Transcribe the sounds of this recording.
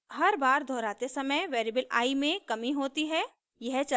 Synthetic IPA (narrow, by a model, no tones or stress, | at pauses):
hɐɾbaːɾd̪ʱɔːɾaːt̪esɐməjʋeːɾiːbəla̰ːimẽkɐmiɦoːt̪iɦɛ | jɛɦt͡ʃɐ